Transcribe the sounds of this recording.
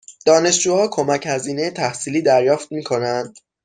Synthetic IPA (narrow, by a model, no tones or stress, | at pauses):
d̪̥ɒːne̞ʃd͡ʒuːhɒːkʰo̞mæchæziːne̞jet̪ʰæhsiːliːd̪æɾjɒːft̪̚miːkʰo̞nænd̪̥